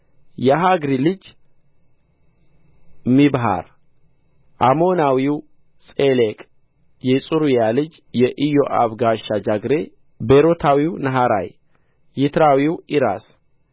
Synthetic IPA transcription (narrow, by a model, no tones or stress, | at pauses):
jaɦaɡɾilɨd͡ʒ | mibɦa̰ɾ | ʔamo̞nawiw | sʼelekʼ | jɛsʼuɾujalɨd͡ʒjɛʔijo̞ʔaβɡaʃad͡ʒaɡɾe̞ | beɾot̪ʰawiwnɐɦaɾa̰j | jɪt̪ʰɾawiwiɾa̰s